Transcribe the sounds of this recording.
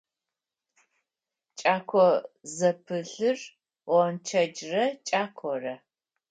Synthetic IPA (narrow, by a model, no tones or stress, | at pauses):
t͡ʃʼaːkʷʰɔzɐpʰɨɬɨr | wɐnt͡ʃʰɐd͡ʒrɐt͡ʃʼaːkʷʰɔrɐ